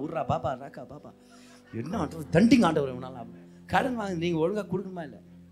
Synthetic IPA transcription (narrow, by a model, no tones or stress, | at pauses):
uːɾɾaːbaːbaːɾaːkaːbaːba̰ː | ɛnːɐaːɳɖɐʋɐd̪ɐɳɖɪŋɡaːɳɖɐʋɐɾɪɐnaːlãːp | kɐɽɐŋɡɐʋaːŋɡniːŋɡɐɔɻɐŋɡaːkʊɽɯkːɐɳɐmaːɪlːɐ̰